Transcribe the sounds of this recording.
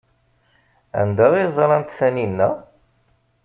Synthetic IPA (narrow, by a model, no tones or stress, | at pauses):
æ̰nd̪æʁizˤɑlˤɑnt̪θæninːæ